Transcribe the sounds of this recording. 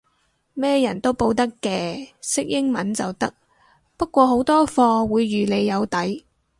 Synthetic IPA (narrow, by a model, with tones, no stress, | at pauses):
mɛː˥jɐ˨˩nt̪o˥wpo˧wt̪ɐ˥kːɛː˧sɪ˥k̚jɪ˥ŋmɐ˨˥nt͡sɐ˨wt̪ɐ˥k̚ | pɐ˥t̚kʷɔː˧ɦo˨˥wt̪ɔː˥fɔː˧wuː˨˧jːyː˨le˨˧jːɐ˨˧wt̪ɐ˨˥j